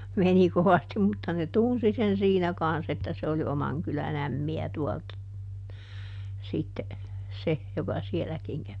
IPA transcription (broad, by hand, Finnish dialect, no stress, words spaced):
meni koʋɑstim mutːɑ ne tunsi sen siːnæ kɑns etːæ se oli omɑŋ kylæn æmːiæ tuɔlt sitːe se jokɑ sielækiŋ kæʋi